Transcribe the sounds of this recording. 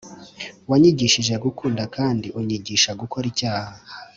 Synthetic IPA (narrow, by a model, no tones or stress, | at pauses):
waɲiɟiʃiʒe̞ɡukuːndakaːndiʔuɲiɟiʃaɡukoɾicaːha